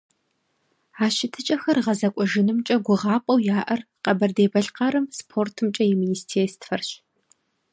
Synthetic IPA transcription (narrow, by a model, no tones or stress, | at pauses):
aːɕɪtʰɨt͡ʃʼɐxɐrʁɐzɐkʷʼɔʒɪnɨmt͡ʃʼɐɡʷʊʁɑːpʼɐwjaːʔɐrqɐbɐrdeːbɐɬqɑɾɨmspʰoːrtʰɨmt͡ʃʼɐjɛminiːstʰeːstfɐrɕ